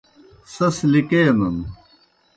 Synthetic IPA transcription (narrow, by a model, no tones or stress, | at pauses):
sɐslikejɐnɐn